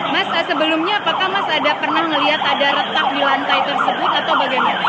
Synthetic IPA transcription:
massəbəlʊmɲaːpakahmasadapərnahŋəliɦat̪adaɾət̪ak̚dilant̪ajt̪ərsəbʊt̪at̪awbaɡajmana

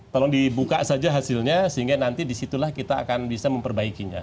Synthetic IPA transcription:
k̪alodibukasad͡ʒaɦasɪlɲasəɦiŋɡanant̪idisit̪ulahkit̪a̰ːkanbisaməmpərbaikiɲa̰

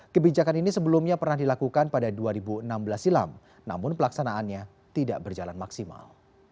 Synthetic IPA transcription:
kəbid͡ʒakaninisəbəlumɲapərnahdilakukanpadaduaɾibuənambəlasila̰m | na̰mʊnpəlaksanaːnɲa | t̪ida̰ʔbərd͡ʒalanmaksima̰l

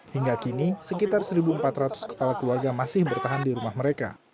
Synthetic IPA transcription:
hiŋɡakinisəkit̪arsəɾibuəmpat̪rat̪ʊ̥skə̥palakəluarɡamasɪhbərt̪aɦandiɾumahməɾeka̰

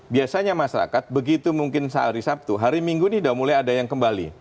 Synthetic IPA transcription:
biasaɲamaʃaɾa̰kat̪̚bəɡit̪umuŋkɪnsa̰ɾisap̚t̪uɦaɾimiŋɡudidawamulajadajaŋkəmbalḭ

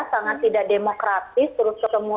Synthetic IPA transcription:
saŋat̪ːidaʔ̚demokɾat̪ɪst̪əɾʊs̚kət̪əmu

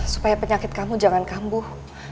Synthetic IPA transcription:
su̥pajapəɲakɪt̪̚kamud͡ʒaŋankambʊh

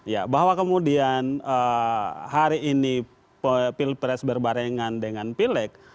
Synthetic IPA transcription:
ja̰baɦwakəmudianəhaɾiːni | ppilpɾɛsbərbaɾeŋandəŋanpilɛk̚

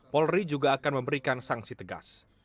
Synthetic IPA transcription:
pɔlrid͡ʒuɡaːkanməmbəɾikansaŋsit̪əɡa̰s

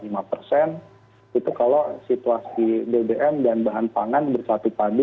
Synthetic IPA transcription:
limapərsɛn | it̪ukalosit̪uasidebeʔɛmdanbaɦanpaŋanbərsat̪upadu

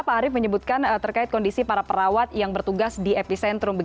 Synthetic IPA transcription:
paːɾɪfməɲəbut̪̚kant̪ərkaɪt̪̚kɔndisipaɾapəɾawat̪jaŋbərt̪uɡasdiepisɛnt̪ɾʊmbə

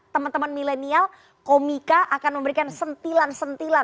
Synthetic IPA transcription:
t̪əmant̪əmanmilenial | komikaʔakanməmbəɾikansənt̪ilansənt̪ila

